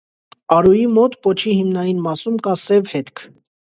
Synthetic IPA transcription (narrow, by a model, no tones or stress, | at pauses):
ɑɾujimɔt̪pɔt͡ʃʰihimnɑjinmɑsumkɑsɛvhɛt̪kʰ